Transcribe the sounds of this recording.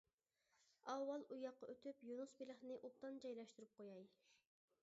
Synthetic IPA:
ɑwːɑlˠujɑqːɑøt̪ʰypjunusbilɪχnɪʔut̪ɑnd͡ʒɑjlˠɑʃt̪uɾup̚qʰojɑj

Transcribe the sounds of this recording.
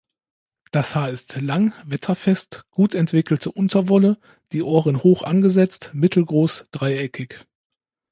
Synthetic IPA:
d̥ashaːɐɪstlaŋvɛtʰɐfɛstɡ̥uːtʰɛntv̥ɪkl̩tʰəʔʊntʰɐvɔlə | d̥iːʔoːʁənhoːxʔa̰nɡəzɛt͡stmɪtʰl̩ɡʁoːsd̥ʁaɪɛkʰɪç

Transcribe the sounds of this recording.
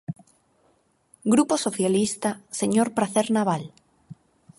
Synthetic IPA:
ɡɾuposoθjalist̪aseɲoɾpɾaθeɾnaβ̞al

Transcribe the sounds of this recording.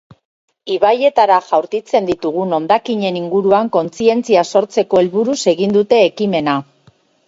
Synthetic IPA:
iβaje̞t̪aɾaʝawɾkit͡se̞nd̪it̪uɣ̞uno̞nd̪akiɲe̞niŋɡuɾuaŋko̞nt͡sie̞nt͡siaso̞ɾt͡se̞ko̞elβuɾuse̞ɣind̪ut̪e̞ːkime̞na

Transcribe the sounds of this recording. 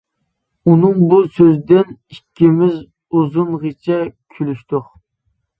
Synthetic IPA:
unɨŋbusøzd̪ɪnikʲʰːimɪz | uzunʁet͡ʃʰɛkʲʰylyʃt̪ʊq

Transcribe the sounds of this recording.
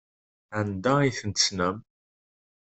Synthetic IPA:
ænd̪aiθənt̪əsnəm

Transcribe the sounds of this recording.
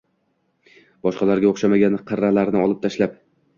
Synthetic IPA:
bɒʃqɑlaɾɡʲaoχʃamaɡʲanqʰɨɾːalaɾnɪɒlˠɪp̚t̪ʰaʃlap̚

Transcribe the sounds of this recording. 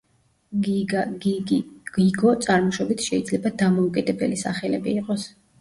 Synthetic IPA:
ɡ̥iɡɔt̪sʼaɾmɔʃɔbit̪ʰʃɛid̪zlɛbad̪amɔukʼid̪ɛbɛ̰lisa̰χɛlɛbiːqʼɔs

